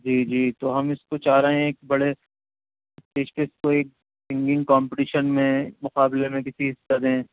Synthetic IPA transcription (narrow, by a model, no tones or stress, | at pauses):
d͡ʒiːd͡ʒiːt̪oːɦɐmɪskot͡ʃaːɾɐɦẽɦeːkbɐɽe | ɪst̪eːʃkeɪskoeːk̚ | sɪ̃ŋɡɪ̃ŋɡkaːmpɪʈiːʃənmẽmʊqaːblemẽkɪsiɦɪsːad̪ɦɛ̃ː